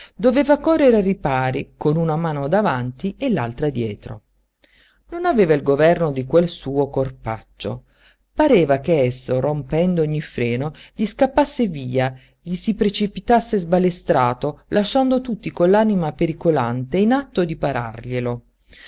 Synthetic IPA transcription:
d̪ovɛːvakɔrːeɾeripaːɾikonunamaːnod̪avant̪ielːalt̪ɾad̪jɛːt̪ɾo̰ | nonavɛːvailɡovɛrnod̪ikwelsuːokorpa̰t͡ʃːo̰ | paɾɛːvakeɛsːorompɛnd̪ooɲːifɾɛːnoʎiskapːasːeviːa | ʎisipɾet͡ʃipit̪asːezbalest̪ɾaːt̪olaʃːand̪ot̪ut̪ːikolːaːnimapeɾikolant̪einat̪ːod̪ipaɾa̰rʎelo

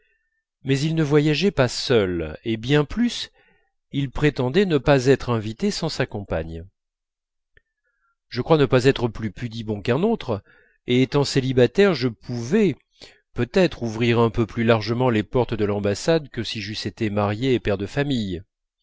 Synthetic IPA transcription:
mɛzilnəvwajaʒɛpasœlebjɛ̃plys | ilpχet̪ɑ̃d̪ɛnəpazɛt̪χɛ̃vit̪esɑ̃sakɔ̃pa̰ɲ | ʒ̥əkχwanəpazɛt̪χəplypyd̪ibɔ̃kɛ̃not̪χ | eːt̪ɑ̃selibat̪ɛʁʒəpʰuvɛ | pøt̪ɛt̪χuvʁiʁɛ̃pøplylaʁʒəmɑ̃lepɔʁt̪d̪əlɑ̃basad̪kəsiʒyset̪emaʁjeːpɛʁd̪əfamij

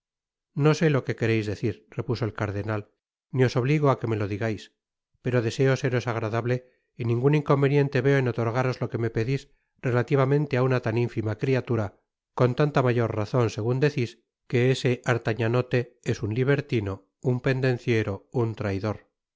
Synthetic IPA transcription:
no̞se̞lo̞ke̞ke̞ɾe̞jzðe̞θiɾre̞puso̞elkaɾðe̞nal | nio̞so̞β̞liɣoake̞me̞lo̞ðiɣajs | pe̞ɾo̞ðe̞se̞o̞se̞ɾo̞saɣ̞ɾaðaβle | inĩŋɡuniŋko̞mbe̞njẽ̞nt̪e̞βe̞oeno̞t̪o̞ɾɣaɾo̞zlo̞ke̞me̞pe̞ðis | re̞lat̪iβ̞amẽnt̪e̞aunat̪aniɱfimakɾiat̪uɾa | ko̞nt̪ant̪amaʝo̞ɾraθo̞nse̞ɣ̞und̪e̞θis | ke̞ese̞ʔaɾt̪aɲano̞t̪e̞esunliβe̞ɾt̪ino̞ | umpe̞nd̪ẽ̞nθje̞ɾo̞unt̪ɾajðo̞ɾ

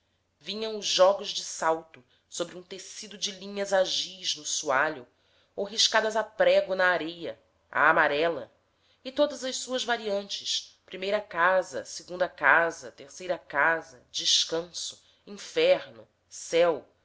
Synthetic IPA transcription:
vĩɲɐ̃w̃ʊʒʒɔɡʊzd͡ʒɪsawt̪ʊ | sobɾiũt̪esid̪ʊd͡ʒɪlĩɲɐzaʒiznʊsuaʎʊ | oɦiʃkad̪ɐzapɾɛɡʊnɐːɾejɐ̰ | a̰ːmaɾɛlɐ̰ | ɪt̪od̪ɐzɐʃsuɐzvaɾiɐ̃nt͡ʃɪʃpɾimejɾɐkazɐ̰seɡũnd̪ɐkazɐ̰t̪eχsejɾɐkazɐd͡ʒɪʃkɐ̃sʊ̥ | ĩfɛɾnʊ̰ | sɛw

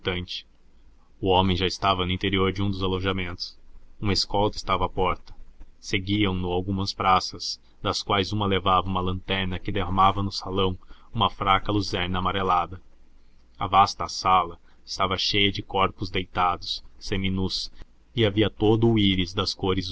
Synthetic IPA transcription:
t̪ɐ̃nt͡ʃɪ̥ | ʊõmẽj̃ʒaɪst̪avɐnʊĩnt̪eɾioɾd͡ʒɪũd̪ʊzalõʒamẽnt̪ʊ̥sũmɐeskɔwd̪ɐɪ̥st̪avɐːpɔɾt̪ɐ̥seɡiɐ̃w̃nʊawɡũmɐspɾasɐs | d̪ɐskwajzũmɐlevavɐũmɐlɐ̃nt̪ɛɾnɐkɪd̪eɦɐmavɐnʊsalɐ̃w̃ũmɐfɾakɐluzɛɾnɐːmaɾelad̪ɐ | avast̪ɐːsalɐ | ɪ̥st̪avɐʃejɐd͡ʒɪkɔɾpʊzd̪ejt̪ad̪ʊsːẽj̃minus | ɪaviɐt̪od̪ʊiɾɪzd̪ɐskoɾɪz

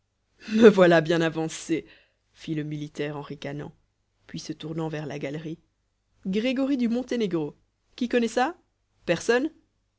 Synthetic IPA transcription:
məvwalabjɛ̃navɑ̃se | filəmilit̪ɛʁɑ̃ʁikanɑ̰̃ | pɥisət̪uʁnɑ̃vɛʁlaɡalʁi | ɡʁeɡɔʁid̪ymɔ̃t̪eneɡʁo | kʲikɔnɛsa | pɛʁsɔn

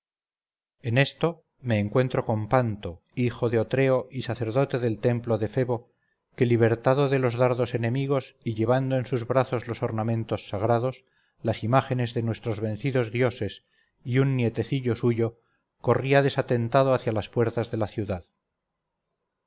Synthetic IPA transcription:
e̞ne̞st̪o̞ | me̞ːŋkwe̞nt̪ɾo̞ko̞mpant̪o̞ | ixo̞ðeot̪ɾe̞o̞ʔisaθe̞ɾðo̞t̪e̞ðe̞lt̪e̞mplo̞ðe̞fe̞βo̞ | ke̞liβ̞e̞ɾt̪aðoðe̞lo̞zðaɾðo̞se̞ne̞miɣ̞o̞siʎe̞β̞and̪oensuzβɾaθo̞zlo̞so̞ɾnamẽnt̪o̞sːaɣ̞ɾað̞o̞s | lasimaxe̞ne̞zðe̞nwe̞st̪ɾo̞zβe̞n̟θiðo̞zðjo̞se̞s | iunːje̞t̪e̞θiʎo̞suʝo̞ | ko̞riaðe̞sat̪e̞nt̪aðoaθjalaspwe̞ɾt̪azðe̞laθjuðað

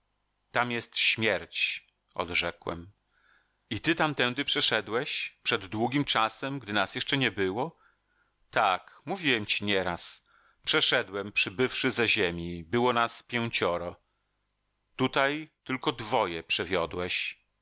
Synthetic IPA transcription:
t̪amjɛst̪ɕmʲjɛɾt͡ɕ | ʔɔ̰d̪ʐɛkwɛ̰m | it̪ɘt̪amt̪ɛnd̪ɘpʂɛʂɛd̪wɛɕpʂɛd̪ːwuɡʲimt͡ʂasɛmɡd̪ɘnasjɛʂt͡ʂɛɲɛbɘwɔ | t̪akmuvʲiwɛmt͡ɕiɲɛɾas | pʂɛʂɛd̪wɛmpʂɘbɘfʂɘzɛʑemʲibɘwɔnaspʲjɛw̃t͡ɕɔɾɔ | t̪ut̪ajt̪ɘlkɔd̪vɔjɛpʂɛvʲjɔd̪wɛɕ

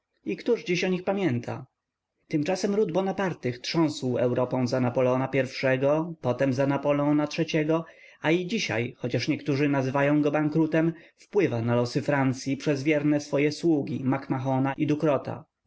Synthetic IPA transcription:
ikt̪uʐd͡ʑiɕɔɲixpamʲjɛnt̪ʰa̰ | t̪ɘmt͡ʂasɛmɾud̪bɔnapaɾt̪ɘxtʂɔ̃w̃swɛwɾɔpɔ̃w̃zanapɔlɛɔnapʲjɛɾfʂɛɡɔpɔt̪ɛmzanapɔlɛɔnatʂɛt͡ɕɛɡɔ | aid͡ʑiɕa̰jxɔt͡ɕaʂɲɛkt̪uʐɘnazɘvajɔ̃w̃ɡɔbaŋkɾut̪ɛmfpwɘvanalɔsɘfɾant̪sʲjipʂɛzvʲjɛɾnɛsfɔjɛswuɡʲimakmaxɔnaʔid̪ukɾɔt̪a̰

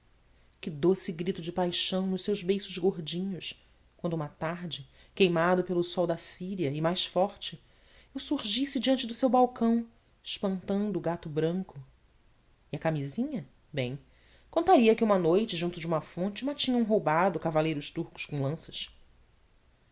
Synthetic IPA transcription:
kɪd̪osɪɡɾit̪ʊd͡ʒɪpajʃɐ̃w̃nʊʃsewzbejsʊzɡoɾd͡ʒĩɲʊʃ | kwɐ̃nd̪ʊũmɐt̪aɾd͡ʒɪ | kejmad̪ʊpelʊsɔwd̪ɐsiɾiɐɪmajʃfɔɾt͡ʃɪ | ewsuɾʒisɪd͡ʒiɐ̃nt͡ʃɪd̪ʊsewbawkɐ̃w̃ | ɪʃpɐ̃nt̪ɐ̃nd̪ʊːɡat̪ʊbɾɐ̃ŋkʊ | iɐkamizĩɲɐ | bẽj̃ | kõnt̪aɾiɐkɪũmɐnojt͡ʃɪʒũnt̪ʊd͡ʒɪũmɐfõnt͡ʃɪmat͡ʃĩɲɐũɦowbad̪ʊkavalejɾʊʃt̪uɾkʊ̥ʃkõw̃lɐ̃sɐ̥ʃ

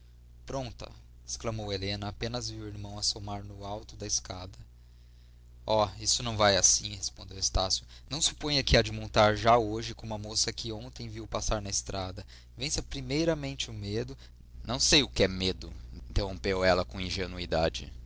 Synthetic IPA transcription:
pɾõnt̪ɐ̰ | e̥sklɐmowelẽnɐːpẽnɐzviweɾmɐ̃w̃ɐsomaɾnʊawt̪ʊd̪ɐɪskad̪ɐ | ɔisʊnɐ̃w̃vajasĩhespõd̪ewest̪asjʊnɐ̃w̃sɪ̥põj̃ɐkiad͡ʒimõnt̪aɾʒaoʒɪkõũɐmosɐkɪõnt̪ẽj̃viwpasaɾnɐɪst̪ɾʔad̪ɐ | vẽj̃sɐpɾimejɾɐmẽnt͡ʃɪʊmed̪ʊ | nɐ̃w̃sejʊkɪɛmed̪ʊĩĩnt̪ehõmpewɛlɐkõĩʒenuid̪ad͡ʒɪ̰

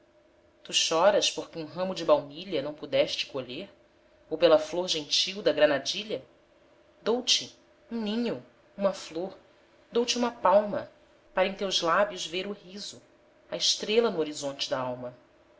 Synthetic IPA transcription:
t̪uʃɔɾɐʃpoɾkɪũɦɐ̃mʊd͡ʒɪbawniʎɐnɐ̃w̃pud̪ɛʃt͡ʃɪ̥koʎeɾ | owpelɐfloɾʒẽt͡ʃiwd̪ɐɡɾɐnad͡ʒiʎɐ | d̪owt͡ʃɪ | ũnĩɲʊ | ũmɐfloɾ | d̪owt͡ʃiũmɐpawmɐ | paɾɐẽt̪ewzlabjʊzveɾʊɦizʊ | ɐɪʃt̪ɾelɐnʊoɾizõnt͡ʃɪd̪ɐawmɐ

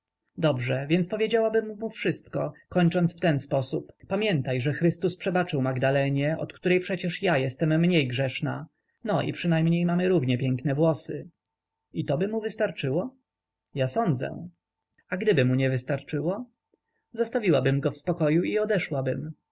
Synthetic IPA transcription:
d̪ɔbʐɛvʲjɛnt̪spɔvʲjed͡ʑawabɘmːufʂɘst̪kɔkɔɲt͡ʂɔnsft̪ɛnspɔsupːamʲjɛnt̪ajʐɛxɾɘst̪uspʂɛbat͡ʂɘwmaɡd̪alɛɲɛʔɔ̰t̪kt̪uɾɛjpʂɛt͡ɕɛʂjajɛst̪ɛmːɲejɡʐɛʂna̰ | nɔʔḭpʂɘnajmɲejmamɘɾuvɲɛpʲjɛŋknɛvwɔsɘ | it̪ɔbɘmuvɘst̪aɾt͡ʂɘwɔ | jasɔnd̪zɛ̰ | aɡd̪ɘbɘmuɲɛvɘst̪aɾt͡ʂɘwɔ | zɔst̪avʲiwabɘmɡɔfspɔkɔjuiɔd̪ɛʂwabɘm

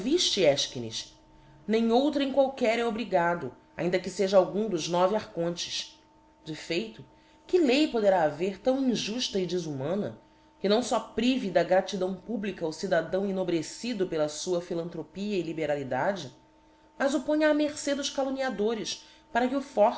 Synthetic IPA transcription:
viʃt͡ʃɪɛʃkinḭʃ | nẽj̃owt̪ɾɐẽj̃kwawkɛɾɛobɾiɡad̪ʊ | a̰ĩnd̪ɐkɪseʒɐawɡũd̪ʊʒnɔviaχkõnt͡ʃɪ̥ʃ | d͡ʒɪfejt̪ʊ | kɪlejpod̪eɾaːveɾt̪ɐ̃w̃ĩʒuʃt̪ɐid͡ʒɪzumɐ̃nɐ̰ | kɪnɐ̃w̃sɔpɾivid̪ɐɡɾat͡ʃid̪ɐ̃w̃publikɐːwsid̪ad̪ɐ̃w̃inobɾesid̪ʊpelɐsuɐfilɐ̃nt̪ɾopiɐɪlibeɾalid̪ad͡ʒɪ | mɐzʊpõɲɐːmeɾsed̪ʊʃkaloniad̪oɾɪʃ | paɾɐkɪʊfɔ

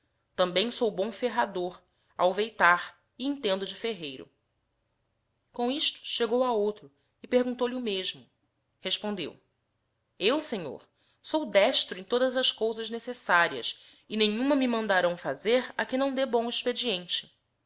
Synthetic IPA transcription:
t̪ɐ̃mbẽj̃sowbõfeɦad̪oɾ | a̰wvejt̪aɾ | ɪĩnt̪ẽnd̪ʊd͡ʒɪfeɦejɾʊ̰ | kõiʃt̪ʊ̥ʃeɡowaowt̪ɾʊ | ɪpeɾɡũnt̪owliʊmeʒmʊ | heʃpõnd̪ḛw | ewseɲo̰ɾ | sowd̪ɛʃt̪ɾʊẽj̃t̪od̪ɐzɐʃskowzɐʒnesesaɾiɐ̰s | ɪnẽɲũmɐmɪmɐ̃nd̪aɾɐ̃w̃fazeɾɐkɪnɐ̃w̃d̪ebõiʃped͡ʒiẽnt͡ʃɪ̥

